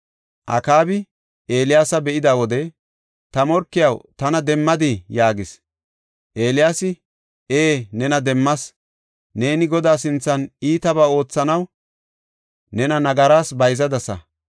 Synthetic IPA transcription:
ʔɐ̰kaːbɪ | e̞ːlɪjaːsɐbɛʔɪd̪aːwɔd̪ɛ | t̪ɐmɔɾkːɪjɐwt̪ɐnɐd̪ɛmːɐd̪ɪjaːɡɪs | ʔe̞ːlɪjaːsɪ | eːnɛnɐd̪ɛmːɐs | ne̞ːnɪɡɔd̪aːs̬ɪnt͡sːɐniːt̪ɐbaːo̞ːt͡sːɐnɐw | nɛnɐnɐɡɐɾaːsbɐjzɐd̪ɐsɐ̰

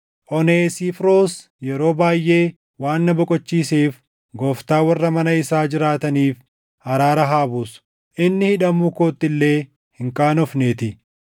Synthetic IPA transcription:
ʔɔneːsifɾo̞ːs | jɛɾo̞ːbaːjːʔe̞ː | waːnːɐbɔkʼɔt͡ʃːiːseːf | ɡɔːft̪aːwɐrːɐmɐnɐɪsaːd͡ʒɪɾaːt̪ɐniːf | hɐɾaːɾɐɦaːbuːs | ʔɪnːɪhɪᶑɐmukoːt̪ːɪlːe̞ː | hɪŋkʼaːnɔfneːt̪ɪ

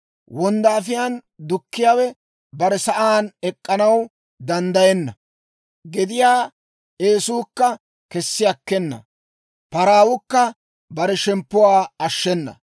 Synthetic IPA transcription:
wɔnd̪aːfɪjand̪ʊkːɪjaːwɛ | bɐɾɛsɐʔaːnɛkʼːɐnɐw | d̪ɐnd̪ɐjɛnːɐ | ɡɛd̪ɪjaː | eːsuːkːɐ | kɛsːɪjɐkːɛnːɐ̰ | pɐɾaːwʊkːɐ | bɐɾɛʃɛmpːʊwaːɐʃːɛnːɐ̰

